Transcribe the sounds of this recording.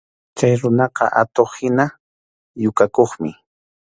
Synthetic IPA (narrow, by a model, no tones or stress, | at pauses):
t͡ʃajɾʊnɑqɑ̰ʔa̰t̪oχhɪna | jʊkakoχmɪ̰